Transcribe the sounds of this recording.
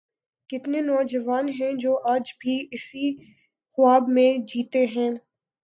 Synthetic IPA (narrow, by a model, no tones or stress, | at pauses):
kɪt̪nenɔːd͡ʒɐʋaːnɦɛ̃d͡ʒoːʔaːd͡ʒbʱiɪsi | xʊaːbmẽd͡ʒiːt̪eɦɛ̃ː